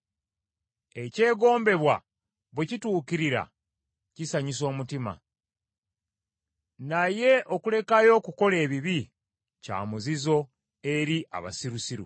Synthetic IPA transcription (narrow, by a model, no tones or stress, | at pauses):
e̞ce̞ːɡo̞ːmbe̞βwa | βwecituːkiɾiɾa̰ | cisaɲis̬o̞ːmutima̰ | naje̞ʔo̞kule̞kajo̞ːkuko̞le̞ːβiβi | ca̰ːmuzizo̞ | e̞ɾiʔa̰βa̰siɾusiɾṵ